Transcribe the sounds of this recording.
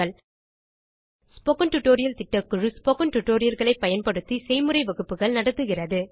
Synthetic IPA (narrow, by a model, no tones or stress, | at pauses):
ɐɭ | spɔkɐɳʈʊʈːoːɾɪjɐlt̪ɪʈːɐkːɯɻɯspoːkɐɳʈʊʈːoːɾɪjɐlɣɐɭɐɪpːɐjɐnpɐɽɯt̪ːisɛɪmɯrɐɪʋɐɣɯpːɯɣɐɭnɐɽɐt̪ːɯɣɪrɐðɯ